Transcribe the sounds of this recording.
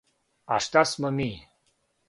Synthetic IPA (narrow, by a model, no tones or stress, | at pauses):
a̰ʂt̪asməmi